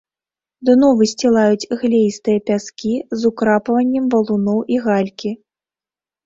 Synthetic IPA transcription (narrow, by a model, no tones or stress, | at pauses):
d̪ɨnɔvɨsʲt͡sʲɛlˠajut͡sʲɣlʲejst̪ɨjɐpʲaskʲizukɾapɐvɐnʲːɛmvɐlˠunɔwʔiɣalʲkʲi